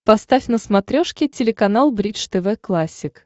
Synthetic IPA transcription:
pɐst̪afʲnəsmɐt̪ɾʲoʂkʲɪtʲɪlʲɪkɐnalˠbɾʲit͡ʃt̪ɛvɛklˠasʲːɪk

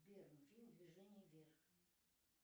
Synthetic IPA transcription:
bʲɛɾɨmfʲilʲmd̪vʲiʐɛnʲːivʲɛrx

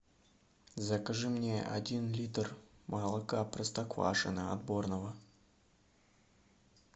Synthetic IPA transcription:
zɐkaʐɨmnʲḛʔa̰dʲinlʲit̪rmʔalˠəkaprəst̪akva̰ʂɨnəa̰d̪bornəvə

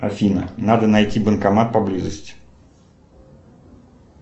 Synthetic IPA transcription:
ɐfʲinənad̪ənɐjtʲibənkɐmat̪̚pɐblʲizəsʲtʲɪ̥

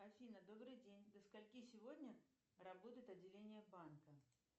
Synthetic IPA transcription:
ɐfʲinəd̪obɾɨjdʲenʲd̪əskɐlʲkʲisʲɪvodʲnʲə | rabot̪əjɪt̪ɐdʲːɪlʲenʲɪjəbankə

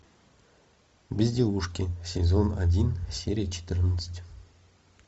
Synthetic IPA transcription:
bʲɪzʲdʲeuʂkʲɪsʲezona̰dʲinsʲeɾʲijt͡ɕʰɪ̥t̪ʲɨrnət̪sə̥tʲ

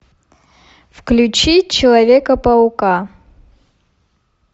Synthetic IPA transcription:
fklʲut͡ɕit͡ɕɪlˠɐvʲekɐpɐuka

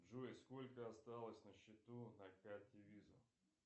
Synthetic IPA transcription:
ʐoɪsko̞lʲkəɐst̪alˠəsʲnəɕːɪt̪unɐkat̪ʲɪvʲizə̰

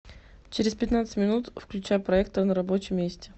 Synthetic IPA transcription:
t͡ɕɪɾʲɪspʲɪt̪nat̪sə̥tʲmʲɪnut̪fklʲʉt͡ɕajʊpɾɐɛkt̪ənəɾɐbot͡ɕɪmːʲesʲtʲɪ

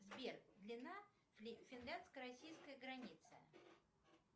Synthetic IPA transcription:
zbʲerkd̪lʲɪna | fʲɪndlʲanskəɾɐsʲijskəjəɡɾɐnʲit̪sə̰

